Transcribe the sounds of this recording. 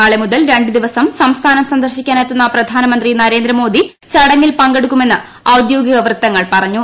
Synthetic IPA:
aːɭemuðɐlɾe̞ɳɖɨd̪iʋɐsɐmsɐmst̪ʰaːnɐmsɐnd̪ʱɐrɕikʲːaːnajt̪ːunːɐprɐd̪ʱaːnɐmɐnd̪rinɐɾe̞ːnd̪ɾɐmo̞ːd̪ʱi | t͡ɕɐɽɐŋːilpɐŋɡeɽukːume̞nːɨ | ɐwd̪joːɡɐɣɐʋrt̪ːɐŋːɐɭpɐrɐɲːu

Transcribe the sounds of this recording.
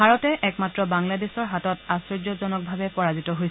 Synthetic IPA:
aɹɔtɛʔɛkmatɹɔbaŋladesɔɹɦatɔtasɹod͡ʒɔzɔnɔk̚bʱabɛpɔɹazitɔɦoj

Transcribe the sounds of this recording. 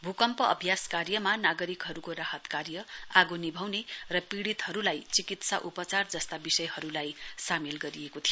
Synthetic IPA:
bʱukʌmpʌʌ̰bʱjaskarjʌmanaɡʌɾikɦʌɾukoraɦʌt̪karjʌaɡonibʱʌwnerʌpiɽit̪ɦʌɾulajt͡sikit̪sa̰ʔupʌt͡sard͡zʌst̪abisʌjhʌɾulajsamelɡʌɾiekot̪ʰijo

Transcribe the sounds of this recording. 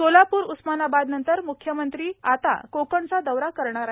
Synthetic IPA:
olapuːɾusmanabad̪nənt̪əɾmukʰːjəmənt̪ɾiːat̪a̰kokəɳt͡sad̪əʋɾakəɾɳ̃aɾa

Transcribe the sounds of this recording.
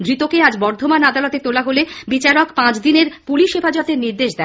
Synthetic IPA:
d̪ɾit̪okead͡ʑbɔɾd̪ʱomanad̪alɔt̪et̪olaɦolebit͡ɕaɾokpãt͡ɕd̪ineɾpuliʃɦefad͡ʑɔt̪eɾniɾd̪eʃd̪ɛ

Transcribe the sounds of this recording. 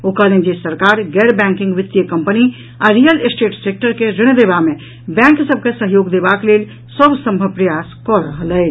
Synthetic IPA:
okalẽd͡ʒesəɾkaːɾɡɛːɾbɛ̃ːŋkɪ̃ŋɡʋɪt̪ːjəkə̃mpəni | aɾijəlsʈeːʈseːk̚ʈəɾkeɾɪɽ̃d̪eːbamẽ | bɛ̃ːŋksəb̚kesəɦjoːɡd̪eːbakleːl | səbsə̃mbʱəpɾəjaːskɔɾəɦəlɦɛː

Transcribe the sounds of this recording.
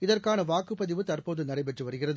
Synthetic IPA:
ɪðɐrkaːnɐʋaːkːɯpːɐðɪʋɯt̪ɐrpoːðɯnɐɾɐɪpɛʈrɯʋɐɾɯɣɪrɐðɯ

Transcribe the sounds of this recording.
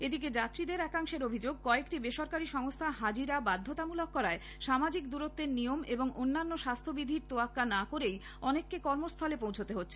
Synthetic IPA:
ed̪iked͡ʑat̪ːɾid̪eɾɛkaŋʃeɾobʱid͡ʑoɡ̚kɔekʈibeʃoɾkaɾiʃɔŋost̪ʰaɦad͡ʑiɾabad̪ʱːot̪amulokːɔɾae | ʃamad͡ʑikd̪uɾot̪ːeɾnijomeboŋonːanːoʃast̪ʰobid̪ʱiɾt̪oakːanakoɾej | ɔnekːekɔɾmost̪ʰɔlepõwt͡ɕʰot̪eɦotːɕʰe

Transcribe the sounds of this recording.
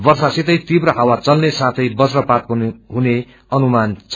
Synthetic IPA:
bʌrsasit̪ʌjt̪ibrʌɦawat͡sʌlnesãt̪ʰʌjbʌsrʌpat̪̚kunɦune | ʌnumant͡sʰ

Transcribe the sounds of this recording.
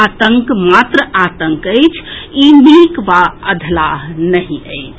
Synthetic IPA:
at̪əŋkmat̪ɾəat̪əŋkəjt͡ʃʰimikʋaəd̪ʱlaɦnəɦĩəjt͡ʃʰ

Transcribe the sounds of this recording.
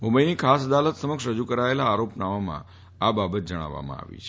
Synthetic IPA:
ũmbəjnikʰasd̪alət̪səməkʃɾəd͡ʒukəɾaelaːɾopnaʋamã̰ | ababət̪̚d͡ʒəɽ̃a̰ʋa̰mã̰a̰ʋḭt͡ʃʰe

